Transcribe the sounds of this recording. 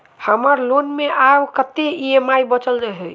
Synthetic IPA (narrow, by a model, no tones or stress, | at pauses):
həməɾlonmeʔawkət̪ːeiemaibət͡ʃəlɾəɦe